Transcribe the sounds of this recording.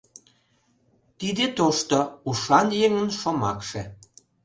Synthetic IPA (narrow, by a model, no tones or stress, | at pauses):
t̪id̪et̪oʃt̪ouʃɑnjeŋənʃomɑ̰kʃe